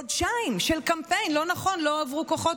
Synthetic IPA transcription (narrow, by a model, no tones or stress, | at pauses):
odʃaimʃelkampejnlo̞naχo̞nloavʁukoχo